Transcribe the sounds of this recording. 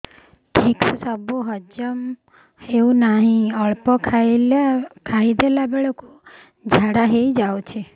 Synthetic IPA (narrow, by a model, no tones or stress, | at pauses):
ʈʰikssəboɦəd͡ʒəm | eũnaɦĩəɭpɔkʰaekʰaid̪elabɛɭəko | d͡ʒʱaɽaɦeid͡ʒaʋt͡ʃʰe